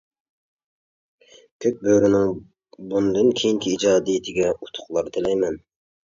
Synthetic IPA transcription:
kʲʰøk̚ʲbøɾynɪŋ | bund̪ɨnkʲʰejiŋkʲʰiːd͡ʒɑːd̪ijɪt̪ʰɪɡʲɛut̪ʰʊ̥χlˠɑɾt̪ʰɪlɛjmɛn

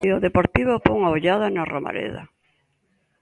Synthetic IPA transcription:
eoðepoɾt̪iβopoŋaoʎaðanaroma̰ɾḛða̰

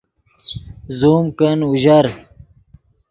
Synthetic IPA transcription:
zuːmkənuʑaɾ

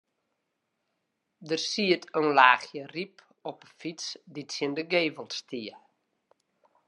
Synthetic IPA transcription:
dərsiətʰønlaːxjərip | ɔpəfitsditsɪəndəɡeːvəlˠtstiə

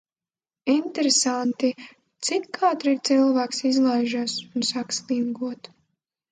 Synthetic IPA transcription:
int̪ɛɾesant̪i | t̪sikkʰaːt̪ɾiɾt̪silˠvæːksizlˠajʒaːsunsaksliŋɡuɔt̪

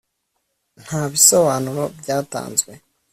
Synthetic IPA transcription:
n̥haːβiso̞βaːnuɾo̞bɟaːta̰ːnzɡwe̞

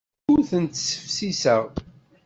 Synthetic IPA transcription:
ʊɾθənt̪sə̥fsisəʁ

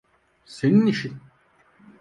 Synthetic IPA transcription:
seniniʃin

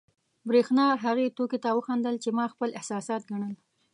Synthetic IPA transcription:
bɾexnɑɦaɣet̪oket̪awəxɑnd̪əlt͡ʃemɑxpəlɪhsɑsɑt̪̚ɡaɳəl

